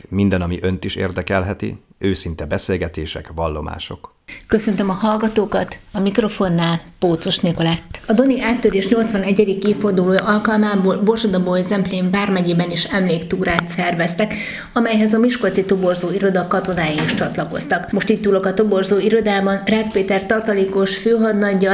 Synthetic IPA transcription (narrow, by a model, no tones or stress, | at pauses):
mind̪ɛnɒmiʔønt̪iʃḛːrd̪ɛkɛlɦɛt̪ḭ | øːsint̪ɛbɛseːlɡɛt̪eːʃɛ̰kʋɒlːo̞̰ma̰ːʃo̞̰k | kø̞sø̞nt̪ømɒhɒlɡɒt̪oːkɒt̪ɒmikro̞fo̞nːaːlpoːt̪soʃnekolat̪ːɒd̪o̞niʔaːt̪ːøɾeːʃɲo̞lt̪sʋɒnɛɟːɛd̪ikːeːffo̞rd̪uloːjʔɒlkɒlmaːboːlborʃod̪ɒboːjzɛmpleːɱbaːrmɛɟeːbɛniʃɛmleːkt̪uːɾaːt̪sɛrvɛst̪ɛk | ɒmɛjhɛzɒmiʃko̞t̪sit̪o̞bo̞rzoːiɾo̞d̪ɒkɒt̪o̞naːjiniʃt͡ʃɒt̪lɒko̞̰st̪ɒkmo̞ʃt̪iːt̪t̪ːuːlo̞kɒt̪o̞bo̞rzoːiɾo̞d̪aːbɒnraːspeːt̪ɛrt̪ɒrt̪ɒleːko̞ʃføːɦɒd̪nɒɟːɒ